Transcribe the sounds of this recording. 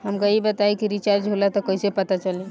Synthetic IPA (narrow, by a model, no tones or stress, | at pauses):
ɦəmkaibət̪aikiɾit͡ʃaɾd͡ʒʱolat̪ɔkəisepət̪at͡ʃəli